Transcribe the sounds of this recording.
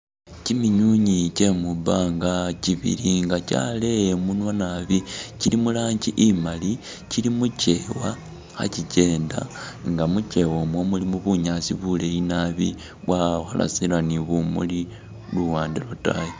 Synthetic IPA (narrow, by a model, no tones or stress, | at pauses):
cimiɲuɲicemubaŋɡaciβḭliŋɡaca̰le̞munwanaβicilimulaːɲɟiʔimali | cilimuce̞wa | xa̰cice̞ːnda̰ŋɡamuce̞womwomulimuβuɲasiβule̞jinaβḭ | βwaxa̰la̰silaniβumṵli | luwaːndilota̰je